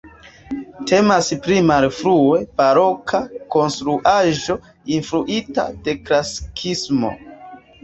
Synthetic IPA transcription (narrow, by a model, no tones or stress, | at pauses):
tʰe̞maspɾimalfɾue̞b̥aɾo̞kʰako̞nstɾuʔaʒo̞ | infɾuʔita̰de̞klaskʰismo̞̰